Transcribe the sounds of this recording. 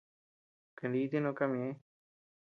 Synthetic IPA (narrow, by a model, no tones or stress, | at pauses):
kəɳɖiːd̪enokamie